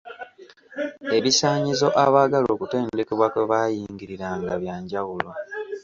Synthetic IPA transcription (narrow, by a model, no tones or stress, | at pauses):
e̞βisaːɲizo̞ʔaβaːɡalo̞ːkute̞ːnde̞keβwakeβaːjiːŋɡiɾiɾaːŋɡaβjaːɲɟawulo̞